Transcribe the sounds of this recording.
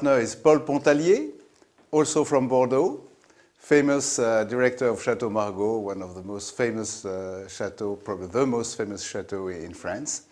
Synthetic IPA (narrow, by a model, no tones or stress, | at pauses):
tnə˞ɪzpɔlpɔ̃t̪alje | ɔlsofɹɔ̃mbɔʁd̪o | feɪməsdiɹɛk̚t̪ə˞ɔv̥ʃatomaʁɡowãnɔvðəmostfeɪməsʃatopɹɔbəbiðəmostfeɪməsʃatoɪ̰̃nfɹãns